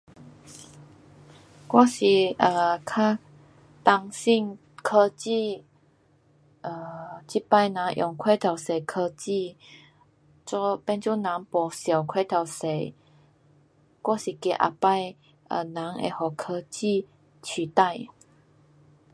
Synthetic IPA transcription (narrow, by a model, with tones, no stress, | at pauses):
kwa˥˦˥ɕi˨˩ʔə˨˩kʰa˦ | t̪a˧ŋsi˥˧ŋ | kʰə˧t͡ɕi˥˧ | ʔə˧˩t͡ɕi˥pa˥˧jnã˨˦ŋʔjɔ˨˩ŋkʰwe˥˩t̪ʰa˨˩wse˨˩kʰə˧t͡ɕi˥˧ | t͡ɕɔ˧˦pɛ˦nt͡sɔ˦nã˨˦ŋpɔ˨˩sja˨˩wkʰwe˥˦˨t̪ʰa˨˩wse˨˩ | kwa˦˥si˨˩kjɛ˧˩ʔa̰˨˩pa˥˧j | ʔə̰˧˩nã˨˦ŋḛ˨˧hɔ˨˩kʰə˧t͡ɕi˥˧˨ | t͡ɕʰi˨t̪a˥˧j